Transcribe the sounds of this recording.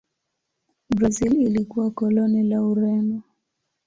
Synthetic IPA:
bɾazililikuwakɔlɔnilauɾɛnɔ

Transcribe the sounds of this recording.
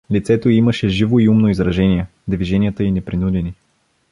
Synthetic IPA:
lit̪sɛt̪oiiməʃɛʒivoiumnoizɾɐʒɛnijɛ | d̪viʒɛnijət̪əinɛpɾinud̪ɛni

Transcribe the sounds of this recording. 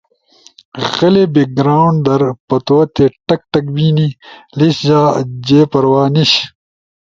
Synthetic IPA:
ɣɐlebiɡɾaːwɳd̪ɐɾpɐt̪oːt̪eʈɐk̚ʈɐk̚biːniliɕd͡ʑaːd͡ʑeːpɐɾwaːniɕ

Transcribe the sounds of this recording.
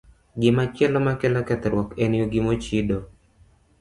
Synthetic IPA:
ɡɪmat͡ʃɛlɔmakɛlakɛt̪ɛɾwɔkenɪoɡɪmot͡ʃido

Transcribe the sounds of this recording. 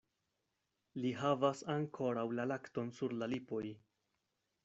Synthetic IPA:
liɦavasaŋkʰo̞ɾawlalakto̞nsuɾlalipo̞j

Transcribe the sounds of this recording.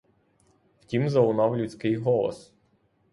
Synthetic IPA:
wtʲimzɐʊnɑwlʲut͡sʲkɪjɦɔlˠɔ̰s

